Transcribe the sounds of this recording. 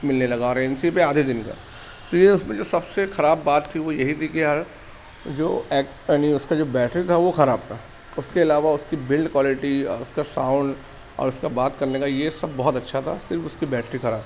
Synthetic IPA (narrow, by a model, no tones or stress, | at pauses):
mɪlnelɐɡaɔːɾɛnsipeaːd̪ʱid̪ɪnka̰ː | t̪ojeʊsmẽd͡ʒoːsɐbsexɐɾaːbːaːt̪ʰːiʋojɐɦit̪ʰikiɦɐɾ | d͡ʒo̰ːɛːkː | niʊskad͡ʒoːbɛːʈɾit̪ʰaʋoxɐɾaːb̚t̪ʰa | ʊskeɐlaːʋaʊskibɪlɖkwaːlɪʈiɔ̰ːɾʊskasãːʊ̃ɳɖ | ɔ̰ːɾʊskabaːt̪kɐɾnekajesɐbːɔɦt̪ɐtːʃʰat̪ʰa̰sɪɾfʊskibɛːʈɾixɐɾaːb